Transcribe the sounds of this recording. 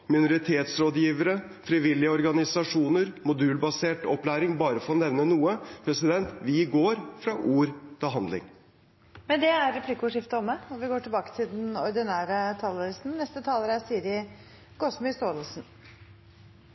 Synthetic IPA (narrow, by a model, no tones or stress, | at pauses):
mɪnʊɾɪt̪ʰeːt̪sɾoːd̪jiːʋəɾə | fɾɪʋɪlːɪəɔɾɡɑnɪsɑʂuːnəɾmʊd̪ʉːlbɑseːʈɔplæːɾɪŋbɑːɾəfɔɾɔnɛʋnənuːəpʰɾɛsɪd̪ɛnt̪ʋɪɡoːɾfɾɑʔuːɾt̪ʰɪlɦɑnd̪lɪ̰ŋ | mɛnd̪ɛæɾːɛpʰlikːʊʊʂɪft̪əɔmːəɔʋɪɡoːʈʰɪlbɑːkə̥t̪ʰɪld̪ɛnɔɾd̪ɪnæːɾət̪ʰɑːləɾæsnnɛst̪ət̪ʰɑːləɾæsiːəɾɪ | ɡ̥ɔsmɪst̪oːləlsn